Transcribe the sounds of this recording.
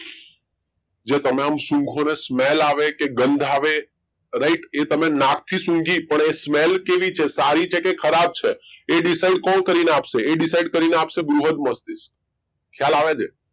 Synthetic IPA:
d͡ʒet̪əmeəmsũŋɡʱonesmelaʋekeɡənd̪ʱaʋe | ɾəiʈet̪əmenãk̚t̪ʰisũŋɡʱipəɳesmelkeʋit͡ʃʰesaɾit͡ʃʰekekʰəɾab̚t͡ʃʰeːɖisaiɖkɔ̃lkəɾineapʃeːɖisaiɖ̚kəɾineapʃebɾuɦəd̪̚məst̪is | kʰjalaʋed͡ʒe

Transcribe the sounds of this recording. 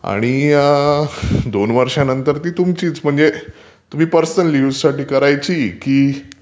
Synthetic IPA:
a̰ɽ̃ija | d̪onʋəɾʂanənt̪əɾt̪iːt̪umt͡ɕiːt͡sm̤əɳd͡ze | t̪um̤iːpəɾsənlissaʈiːkəɾajt͡ɕiːkiː

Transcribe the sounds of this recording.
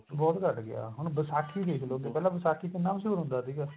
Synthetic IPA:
bɔːt̪kəʈɡɪa̰ːɦʊñbəsaːkʰiːd̪eːkʰloːɡeːpɛːlãːbəsaːkʰiːkɪnːaːməsuːɾʊ̃nd̪aːsiːɡaː

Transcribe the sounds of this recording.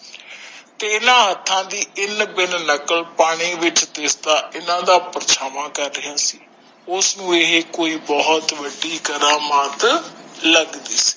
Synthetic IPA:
t̪eːɪnãːɦət̪ʰːãːd̪iːɪnbɪnnəkəlpaːɽ̃iːʋɪt͡ʃt̪eːsd̪aːʔɪnãːd̪aːpəɾt͡ʃʰaːʋãːkəɾːɪɦaːsiː | ʊsnũːeɦeːkoːiːbɔɦʊt̪ʋəɖːiːɡəɾaːmət̪ləɡd̪iːsi̥ː

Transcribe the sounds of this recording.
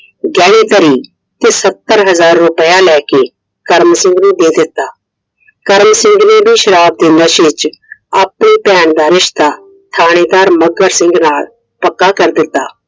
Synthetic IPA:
ɡɛːɽ̃eːt̪əɾiː | t̪eːsət̪ːəɾɦəzaːɾːʊpəjaːlɛːkeː | kəɾmsɪ̃ŋɡnẽːd̪eːd̪ɪt̪ːaː | kəɾmsɪ̃ŋɡnẽːbʱiːʃəɾaːb̚d̪ɪnəʃɪt͡ʃaːpniːpɛːɳd̪aːɾɪʃt̪aː | t̪ʰaːɽ̃eːd̪aːɾməɡəɾsɪ̃ŋɡnaːl | pəkːaːkəɾd̪ɪt̪ːaː

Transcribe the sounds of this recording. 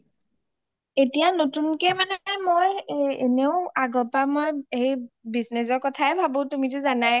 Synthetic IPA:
etijanotunkɛmanɛmojeneʊaɡɔpamojejbiznes̬ɔɹkɔtʰaɛbʱabotumitʊzanaj

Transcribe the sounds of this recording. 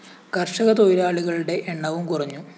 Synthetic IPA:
kɐrʂɐɣɐt̪ojɾaːɭiɣɐɭuɽe̞ʔeɳːɐʋumkurɐɲːu

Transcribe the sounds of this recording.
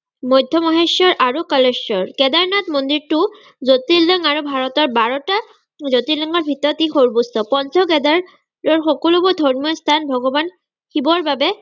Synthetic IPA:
mɔjdʱjɔmɔɦeʃɔɹʔaɹukɔlesɔɹkɛdaɹnatmondiɹtʊ | zotilɔŋaɹubʱaɹɔtɔɹbaɹɔta | zotilɔŋɔɹbʱitɔtixoɹbustɔpɔnzʰɔkɛdaɹ | ɹɔɹxɔkɔlubɔd̪ʱɔɹmɔstʰanbʱɔɡɔban | xibɔɹbabɛ

